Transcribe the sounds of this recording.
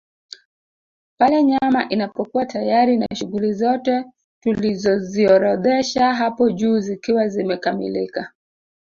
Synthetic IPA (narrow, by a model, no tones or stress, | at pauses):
palɛɲamaʔinapɔkuwatajaɾina̰ʃuɣulizɔtɛ | tulizɔziɔɾɔðɛʃaɦapɔʄuːzikiwazimɛkamḭlika